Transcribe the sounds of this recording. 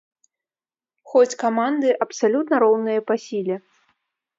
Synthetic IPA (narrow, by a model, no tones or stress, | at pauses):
xɔt͡sʲkamand̪ɨʔɐpsalʲut̪nɐɾɔwnɨjɐpasʲilʲɛ